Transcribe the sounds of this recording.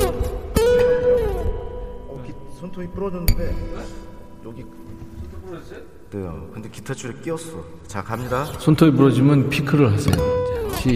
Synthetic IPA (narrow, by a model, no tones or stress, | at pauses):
kisʰontʰoipuɾʌnʌnːɯnde̞ | jʌɡi | nejo̰kɯnd̪eki̥tʰet͡ɕʰuɾek͈iʌs͈ʌ | t͡ɕakamɲidasʰontʰoipuɾʌd͡ʑimɯnpʰikʰɯɾɯɭɦasʰḛjot͡ɕʰi